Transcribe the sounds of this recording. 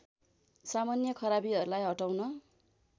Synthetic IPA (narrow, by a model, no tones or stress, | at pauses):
samanjʌkʰʌɾabiɦʌɾulajɦʌʈawnʌ